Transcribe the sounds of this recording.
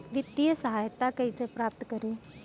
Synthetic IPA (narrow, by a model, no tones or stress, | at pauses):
ʋɪt̪ːijəsəɦaːjt̪ːakɐɦisepɾaːp̚t̪kəɾeː